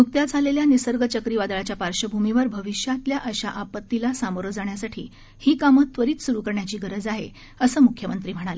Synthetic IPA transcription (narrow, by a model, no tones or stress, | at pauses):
nuk̚t̪jad͡zʱaleljanisəɾɡət͡ɕəkɾiʋad̪ɭat͡ɕjapaɾɕəbʱumiʋəɾbʱəʋiɕjat̪ljaʔəɕaʔapət̪ːilasamoɾəd͡zaɳjasaʈʰḭː | hiːkamət̪ːʋəɾiːt͡ssuɾukəɾɳjat͡ɕiːɡəɾəd͡zaɦe | əsəːmukʰjəmənt̪ɾiːm̤əɽ̃ale